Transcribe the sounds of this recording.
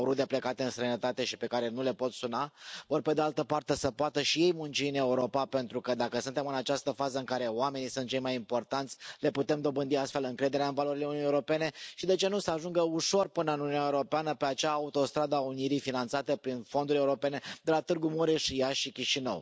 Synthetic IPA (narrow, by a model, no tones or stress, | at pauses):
oɾud̪eplekat̪eɨnst̪ɾejnət̪at̪e̞ʃipe̞kaɾe̞nule̞po̞t̪sunavo̞rpe̞d̪e̞alt̪əpart̪e̞səpoat̪əʃije̞jmunt͡ʃiɨne̞uɾo̞pape̞nt̪ɾukəd̪akəsunt̪e̞mɨnat͡ʃast̪əfazəɨŋkaɾe̞oame̞nisunt̪̚t͡ʃejmajimpo̞rt̪ant̪sʲle̞put̪e̞md̪o̞bɨnd̪iast̪fe̞lɨŋkɾe̞d̪e̞ɾeaɨnvalo̞ɾileununieuɾo̞pe̞ne̞ʃid̪e̞t͡ʃe̞nusəaʒuŋɡəuʃo̞rpɨnəɨnununaeuɾo̞peanəpe̞at͡ʃaːut̪o̞st̪ɾad̪aːuniɾifinant̪sat̪əpɾinfo̞nd̪uɾʲeuɾo̞pe̞ne̞d̪e̞lat̪ɨrɡumuɾeʃijaʃikʲiʃinə̰w